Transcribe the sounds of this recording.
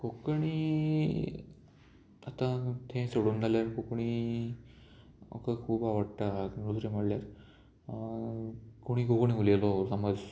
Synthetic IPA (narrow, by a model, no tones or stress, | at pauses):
kokɳ̃i | at̪ãt̪ʰẽsoɽuːnd͡z̪ʱaljaɾkokɳ̃i | o̰kəkʰuːbaʋəɽt̪anɾusɾem̤əɽljaɾ | koɽ̃iɡokɳĩulelosaməd͡z